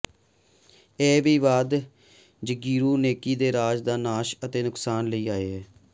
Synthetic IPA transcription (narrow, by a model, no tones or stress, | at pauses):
ɛːʋiːʋaːd̪ | d͡ʒəɡiːɾuːneːkiːd̪eːɾaːd͡ʒd̪aːnaːʃət̪eːnʊksaːnləiːaːeːɦɛː